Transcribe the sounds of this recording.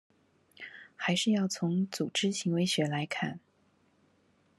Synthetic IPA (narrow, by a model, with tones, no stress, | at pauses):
xa˧˥ɪʂɻ̩˥˧jɑ˥˩ʊt͡sʰʊ˧˥ŋt͡su˨˩ʈ͡ʂɻ̩˥ɕʰi˧˥ŋwe˧˥ɪɕɥɛ˧˥la˧˥ɪkʰa˥˩n